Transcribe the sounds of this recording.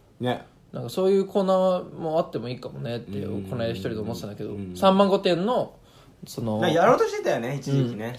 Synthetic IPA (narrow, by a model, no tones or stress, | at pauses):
ne | nãŋkaso̞ːjɯ̟ːkʰo̞ːnaːβamo̞at̪ːe̞mo̞iːkamo̞ne̞t̪ːḛo̰konaeɾçi̥t̪o̞ɾid̪eomot̪et̪anaked̪o̞̰sãmːãŋɡo̞t̪ẽ̞nːo̞ | so̞noajaɾoːt̪oɕiet̪ajoneit͡ɕiɲĩkʲine